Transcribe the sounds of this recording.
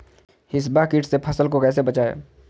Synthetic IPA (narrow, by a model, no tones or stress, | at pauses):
hɪs̬bakɪʈsepʰəsəlkokɛːs̬ebət͡ʃaḛː